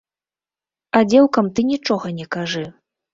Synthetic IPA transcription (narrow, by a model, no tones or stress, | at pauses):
ad͡zʲɛwkɐmt̪ɨnʲit͡ʂɔɣɐnʲɛkaʐɨ